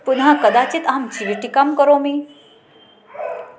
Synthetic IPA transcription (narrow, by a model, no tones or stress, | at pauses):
pʊnɦãkəd̪at͡ɕit̪amt͡ɕiʋiʈikamkəɾomi